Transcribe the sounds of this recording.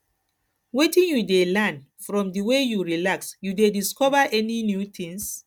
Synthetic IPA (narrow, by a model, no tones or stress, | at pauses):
wetĩnjudelɛn | fɹɔ̃mdiwejuɹilaksjudediskɔvaʔɛninjut̪ĩŋs